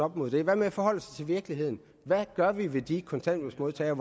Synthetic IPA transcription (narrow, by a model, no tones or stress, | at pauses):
ɒ̽b̥mo̝ðˠd̥e̝ʋæmefɒ̽hɒ̽l̰əsɑt͡sʰe̝lʋiɐɡ̥lihe̝ð̞̰ˠn̩ | ʋæɡ̥ɶɐʋiʋe̝d̥ikʰɒ̽nt͡sʰæn̰d̥osmo̝ðˠt͡sʰɛ̰ːɐʋ